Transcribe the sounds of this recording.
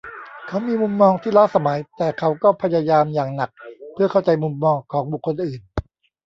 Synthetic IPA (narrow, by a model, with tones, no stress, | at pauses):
kʰa˦˥wmiː˧mu˧mːɔː˧ŋt̪ʰiː˥˩laː˦˥˩sa˧ma˩˦jt̪ɛː˨˩kʰa˦˥wkɔː˥˩pʰa˧jaː˧jaː˧mjaː˨˩ŋna˨˩k̚pʰɯ˥˩ɐkʰa˥˩wt͡ɕa˧jmu˧mːɔː˧ŋkʰɔː˩˦ŋbu˨˩kʰːo˧nʔɯː˨˩n